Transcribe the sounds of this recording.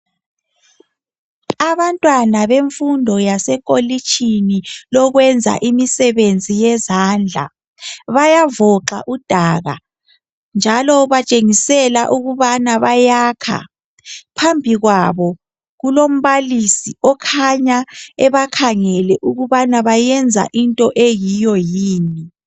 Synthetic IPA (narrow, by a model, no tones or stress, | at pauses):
aβantʼwanaβeɱfundʱɔjasɛkʼolit͡ʃʰʼinilɔɣwɛnd͡zʱa̰ʔimisɛβend͡zʱijɛzaːnd͡ɮʱa̰ | βajavɔǁa̰ʔud̥ʱaːɣa̰ | nd͡ʒʱalɔβat͡ʃʼeŋisɛla̰ʔuɣuβanaβajaːkʰa̰ | pʰambʱiɣwaβɔ | ɣulom̩βalisiɔkʰaɲaɛβakʰaŋɛlɛʔuɣuβanaβajɛnd͡zʱa̰ʔintʼɔʔejijɔjiːni